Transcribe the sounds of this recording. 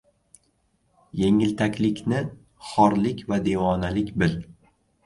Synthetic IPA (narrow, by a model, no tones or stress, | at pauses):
je̞ŋɪlt̪ʰakʲlɪkʲnɪ | χɒɾlɪkʲvad̪e̞wɒnalɪkʲbɪl